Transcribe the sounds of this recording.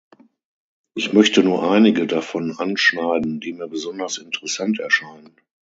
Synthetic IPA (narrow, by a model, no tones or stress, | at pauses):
ʔɪçmœçtənuːɐʔaɪnɪɡədafɔnʔanʃnaɪdn̩diːmiːɐbəzɔndɐsɪntəʁəsantʰɛɐʃaɪnən